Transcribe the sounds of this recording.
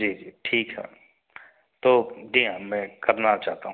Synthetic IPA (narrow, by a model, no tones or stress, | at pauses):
d͡ʒiːd͡ʒiːʈʰiːkɦɛ̰ | t̪oːd͡ʒiːɦãmɛ̃ːkɐɾnat͡ʃaːɦt̪aɦũ